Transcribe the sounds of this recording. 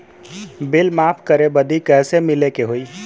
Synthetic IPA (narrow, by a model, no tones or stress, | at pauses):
bilmapʰkəɾebəd̪ʱikɛsemilekeɦoi